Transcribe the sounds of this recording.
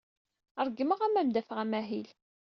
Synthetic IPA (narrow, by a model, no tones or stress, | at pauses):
əɾˤɡːəməʁæmæmd̪æfəʁæmæɦil